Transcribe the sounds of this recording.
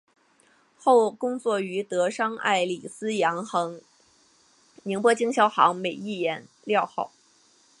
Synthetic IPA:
xo˥˩ʊkʊ˥ŋt͡swɔ˥˩y˧˥t̪ɤ˧˥ʂɑ˥ŋa̰˥˩ɪli˨˩sɹ̩˥jɑ˧˥ŋxɤ˧˥ŋ | mi˧˥ŋpwɔ˥t͡ɕi˥ŋɕjɑ˥ʊxɑ̰˧˥ŋme˨˩ɪi˥˩jɛ˧˥n | ljɑ˥˧ʊxo˥˩ʊ

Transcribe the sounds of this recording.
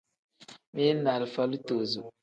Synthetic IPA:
me˦na˨lfa˦lu˦to˨zu˨

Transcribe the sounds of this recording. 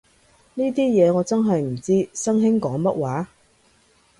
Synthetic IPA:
niː˥t̪iː˥jɛː˨˧ŋɔː˨˧t͡sɐ˥nɦɐ˨jm̩˨˩t͡siː˥sɐ˥ŋɦɪ˥ŋkɔː˨˥ŋmɐ˥t̚waː˨˥

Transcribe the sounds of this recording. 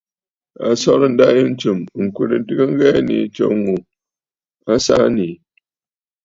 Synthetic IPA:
a̰˨sɔ˦ɾn̩˦da˦ji˦n̩˦t͡ʃɨ˨m˨ŋ̩˨ku˨ɾɨ˨n˦tɨ˦ɡɨ˦ŋ̩˦ɡɛ˦˨nḭ˨˦t͡ʃo̰˦ŋu˨ | a˦sa˦ni˨

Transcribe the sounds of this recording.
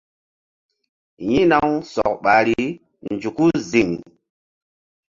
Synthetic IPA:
jĩ˦na˦wsɔ̰˨k̚ɓa˨ɾi˦ | nd͡ʒu˨ku˦zi˨ŋ

